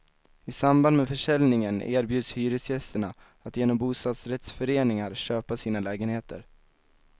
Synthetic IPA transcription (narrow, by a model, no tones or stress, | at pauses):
ɪsamband̪mɛfœʂɛlnɪŋənʔḛːɾbjʉːd̪shyːɾʏsjɛst̪əɳa | at̪jeːnɔmbuːst̪ɑːd̪sɾɛt̪sfœɾeːnɪŋaɾɕøːpasiːnalɛːɡənheːt̪ə̰ɾ